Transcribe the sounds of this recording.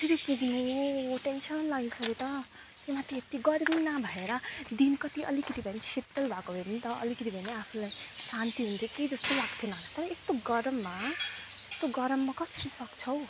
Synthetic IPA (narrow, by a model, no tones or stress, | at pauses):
siɾipuɡʱnuoʈensʌnlʌɡisʌɾit̪ʌ | t̪emat̪ʰiet̪iɡʌɾbinabʱʌeɾʌd̪inkʌt̪iʔʌ̰likʌt̪ibʱʌnesit̪ːʌlbʱakobʱebinit̪ʌʌ̰likʌt̪ibʱʌneapʰulajsant̪iɦunt̪ʰjoked͡zʌst̪owakt̪ʰenant̪ʌɾʌest̪oɡʌɾʌmːaest̪oɡʌɾʌmːakʌsʌɾisʌkt͡sʰʌw̃